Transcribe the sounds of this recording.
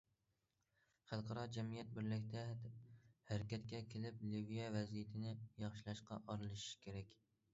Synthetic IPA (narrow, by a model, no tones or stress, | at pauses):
χælˠqʰɑɾɑd͡ʒɛmijɛt̪̚bɪɾlɪkʲt̪ʰɛ | hæɾkʲɛt̪kʲɛkʲʰelɪplɪvijɛvɛzijɪt̪ʰɪnɪjɑχʃilˠɑʃqɑ̰ʔɑɾɨlˠɪʃʃkʲʰeɾɛkʲ